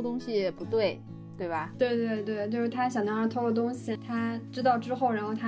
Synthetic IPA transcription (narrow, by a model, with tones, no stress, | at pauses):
t̪ʊ˥ŋɕi˨˩ɛ˨˩pu˧˥t̪we˥˩ɪ | t̪we˥˩ɪbɐ˩t̪we˥˧ɪt̪we˥˧ɪt̪we˥˧ɪt͡ɕjo˥˧ʊʂɻ̩˥˩t̪ʰa˥ɕjɑ˨˩ŋnɑ˥ɻɑ˥˧˩t̪ʰo˥ʊko˥˧˩t̪ʊ˥ŋɕi˨˩t̪ʰa˥ʈ͡ʂɻ̩˥t̪ɑ˥˩ʊʈ͡ʂɻ̩˥xo˥˩ʊɻa˧˥nxo˥˩ʊt̪ʰa˥